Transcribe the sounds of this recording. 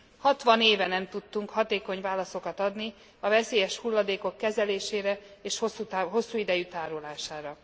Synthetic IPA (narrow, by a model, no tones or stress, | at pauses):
hɒt̪ʋɒneːvɛnɛmt̪ut̪ːuŋkhɒt̪eːko̞ɲvaːlɒso̞kɒt̪ɒd̪ni | ɒvɛseːjɛʃhulːɒd̪eːko̞kːɛzɛleːʃeːɾɛeːʃhosut̪aɦo̞sːuːid̪ɛjyt̪aːɾolaːʃaːɾɒ